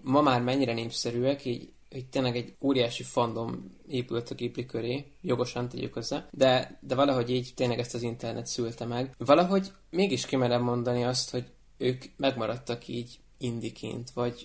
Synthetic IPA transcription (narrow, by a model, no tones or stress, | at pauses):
mɒmaːrmɛɲːiɾɛneːpsɛɾyːɛkiːɟ | ict̪eːnlɛɡɛɟoːɾijaːʃifond̪o̞m | eːpylt̪ɒɡiblikø̞ɾeː | jo̞ɡo̞ʃɒnt̪ɛ̰ɟy̰khøzɛd̪ɛd̪ɛvɒlɒɦo̞ɟiːɟt̪eːnlɛɡɛst̪ɒzint̪ɛrnɛt̪sylt̪ɛmɛɡvɒlɒɦo̞ɟ | meːɡiʃkimɛɾɛbmːo̞nd̪ɒniɒst̪ho̞ɟ | øːkmɛɡmɒɾɒt̪ːɒkʰiːɟ | ind̪ikʰḭːnt̪vɒɟ